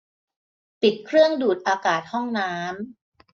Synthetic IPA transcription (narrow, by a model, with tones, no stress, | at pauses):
pi˨˩t̪̚kʰɾɯ˥˩əŋduː˨˩t̪̚ʔaː˧kaː˨˩t̪̚hɔ˥˩ŋnaː˦˥m